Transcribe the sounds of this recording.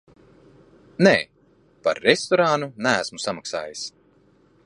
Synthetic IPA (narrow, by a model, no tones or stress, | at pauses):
neː | paɾːest̪ɔɾanunææsmusamaksa̰ːjis